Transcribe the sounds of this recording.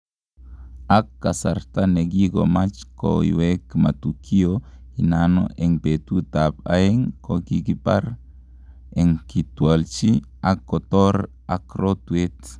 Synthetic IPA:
akːasaɾt̪aneɡiɡomat͡ʃko̰ḭwekma̰t̪ukʰioinano̰ʔeŋpet̪ut̪apa̰eŋkokikipaɾ | eŋkit̪ualt͡ʃi | akːot̪oɾ | akɾot̪wet̪

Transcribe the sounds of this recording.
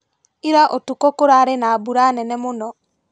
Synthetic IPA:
iɾaʔɔtukɔkoɾaɾenaːbuɾanɛnɛmonɔ

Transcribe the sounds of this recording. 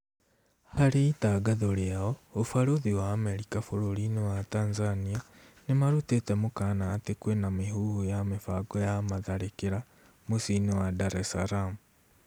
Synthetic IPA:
haliːtaɡaðoliawoofaɾuðiwaːmeɾikafuɾulinewataːnzania | nemaɾutetemukanaːtikwenamihuhujamifaɡojamaðaɾikiɾa | musinewadaɾesaɾamu

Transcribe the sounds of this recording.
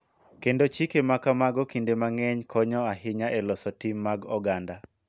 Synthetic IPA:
kendot͡ʃikemakamaɡɔkindemaŋɛɲkʰɔɲɔaɦɪɲaʔɛlɔsɔtimːaɡɔɡanda

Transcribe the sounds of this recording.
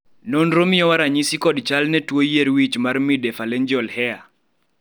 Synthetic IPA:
nonɾomɪɔwaɾaɲisikɔdt͡ʃalnɛtwojeɾwit͡ʃmarmidɛfalɛɲd͡ʒɔlhɛa

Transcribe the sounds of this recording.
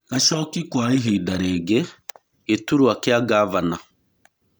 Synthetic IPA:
kaʃɔkikwaiɦeidaɾeɡe | ɡetuɾuakeaɡavana

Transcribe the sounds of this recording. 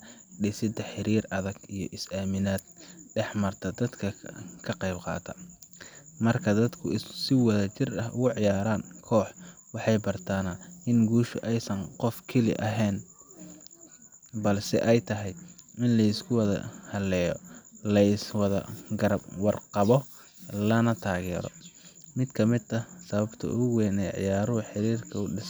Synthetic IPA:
ɖɪsɪd̪ɐħɪɾiːrɐðɐɡijɞ̰ʔɪsaːmɪnaːd̪̥̚ɖɛħmɐrt̪ʰɐd̪ɐd̪kʰɐkʰɐqɑjbqɑ̰ːt̪ʰɐ | mɐrkʰɐd̪ɐd̪kʰʊsɪwɐðɐt͡ʃɪrɐhʊɣʊʕɪjaːɾaːnkʰɔːħwɑħɑjbɐrt̪ʰaːnɐʔɪnɡuːʃʊʔɛjsɐnqɔfkʰɐlɪ̰ʔɐɦɛn | bɐlsɪ̰ʔɛjt̪ʰɐɦɛjɪnlɐjɪskʰʊwɐðɐ̰hɐlɛːjɔlɐɪswɐðɐ̰ɡɐɾɐbwɑrqɑβɔ | lɐnɐt̪ʰaːɣɛ̰ːɾɔ̰ | mɪd̪kʰɐmɪd̪ɐsɐβɐbt̪ʰɐ̰ʔʊɣɛːnɛʕɪ̰jaːɾʊʊħɪɾiːrkʰɐʊɖɪs

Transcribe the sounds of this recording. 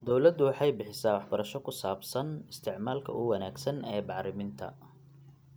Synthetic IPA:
d̪ɔwlɐd̪ʊwɑħɑjbɪħɪsaːwɑħbɐɾɐʃɔkʰʊsaːbsɐnɪst̪ʰɪʕmaːlkʰɐ̰ʔʊwɐnaːɡsɐnɛːbɑʕɾɪmɪnt̪ʰɐ̰

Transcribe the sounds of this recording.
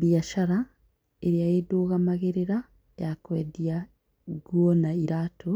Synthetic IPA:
ɾjaʃaɾa | eɾjajedoɣamaɣeɾeɾa | jakwḛdja | ɡwonaiɾaːtʰo

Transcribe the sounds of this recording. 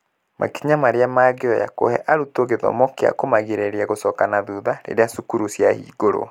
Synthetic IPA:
mʔa̰kiɲamaɾeamaːɣeɔja̰ko̰hɛ̰ʔaɾutoɣeðɔ̰mɔkea̰komaɣeɾɛɾeaɣosɔkanaðuðaɾḛɾeasukuɾusjahḭːɣoɾo̰

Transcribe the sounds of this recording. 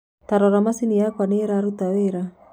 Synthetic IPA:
t̪aɾɔɾamasiniakwaneɾaɾut̪aweɾa

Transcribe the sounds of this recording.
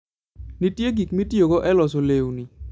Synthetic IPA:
nitjeɡikmitjoɡoʔɛlɔs̬olewuni

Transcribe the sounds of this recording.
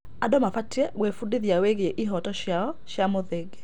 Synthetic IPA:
adomafatiɛɣwefudiðiaweɣeeʔiɦɔtɔɕjaɔʃjamoðeɡe

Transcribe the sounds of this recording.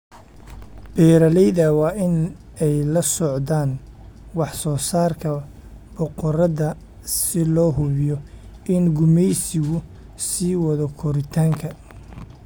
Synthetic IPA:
b̥ɛːɾɐlɛjðɐwɑːʔɪn | ɛjlɐsɔʕðaːnwɑħsɔːsaːrkʰɐ | bɔqɔɾɐðɐ | sɪlɔːɦʊβɪjɔ | ɪnɡʊmɛjsɪɣʊ | siːwɑðɐkʰɔɾɪt̪ʰaːŋkʰɐ

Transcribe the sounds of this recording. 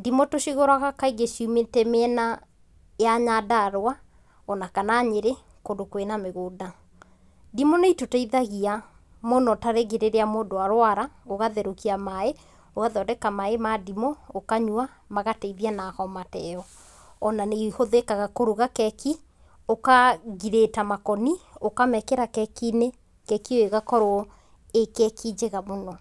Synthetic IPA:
dimɔtoʃiɣoɾaɣakaiɣeʃumetɛmeɛna | jaɲadaɾwa | ɔnakanaɲeɾe | kodokwenameɣoːda | dimɔneitotɛiðaɣia | monɔtaɾeɣeɾeɾeamoːndoaɾwaɾaoɣaðɛɾokiamae | oɣaðɔdɛkamaemadimɔokaɲwa | maɣateiðianakɔmatɛɔ | ɔnaneihoðekaɣakoɾuɣakɛki | okaɣiɾetamakɔniokamɛkɛɾakɛkine | kɛkioeɣakɔɾo | ekɛkʰid͡ʒeɣamonɔ

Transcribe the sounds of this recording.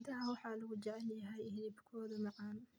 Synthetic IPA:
d̪ɐɦɐwɑħɑːlɐɣʊd͡ʒɛʕlɪjɐɦɛjhɪlibkʰɔːðɐmɑqɑːn

